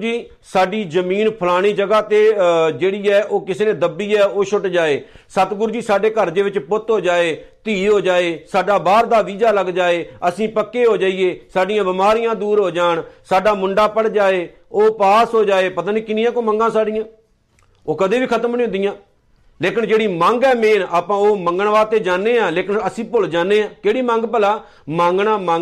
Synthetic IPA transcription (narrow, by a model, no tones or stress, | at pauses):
d͡ʒiː | saːɖiːzəmiːnpʰəlaːɽ̃iːd͡ʒəɡaːt̪eːd͡ʒeːɽiːɛːʔoːkɪseːnẽːd̪əbːiːɛːoːʃʊʈd͡ʒaːeː | sət̪ɡʊɾd͡ʒiːsaːɖeːkəɾd̪eːʋɪt͡ʃpʊt̪ɦoːd͡ʒaːeːt̪iːɦoːd͡ʒaːeːsaːɖaːbaːɾd̪aːʋiːd͡ʒaːləɡd͡ʒaːeːəsĩːpəkːeːɦoːd͡ʒaːieːsaːɖɪjãːbɪmaːɾɪjãːd̪uːɾɦoːd͡ʒaːɳsaːɖaːmʊɳɖaːpəɽd͡ʒaːeː | oːpaːsɦoːd͡ʒaːeːpət̪aːniːkɪnɪ̃jãːkoːməŋɡãːsaːɖɪjãː | oːkəd̪eːʋiːkʰət̪əmnĩːʊnd̪ɪjãː | leːkɪnd͡ʒeːɽiːməŋɡɛːmeːnaːpãːoːməŋɡəɳʋaːt̪eːd͡ʒaːnːeːãːleːkɪnəsĩːpʊld͡ʒaːneːãːkeːɽiːmə̃ŋɡpəlaː | mãːŋɡɳaːmãː